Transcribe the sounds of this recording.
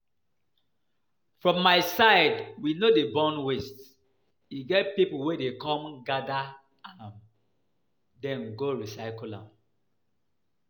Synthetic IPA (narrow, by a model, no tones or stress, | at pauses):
fɹɔ̃mːaɪsaɪdwinodebɔ̃nwest | iɡɛt̚pipuwedekɔ̃mɡada | aãm | dɛ̃nɡoɹisaɪkulã̰m